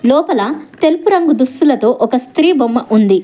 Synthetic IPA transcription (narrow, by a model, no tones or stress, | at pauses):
lɔːpɐlɐt̪e̞lpuɾɐŋɡud̪ust̪ulɐt̪o̞ːʔɔkɐst̪ɾiːbomːɐʔund̪i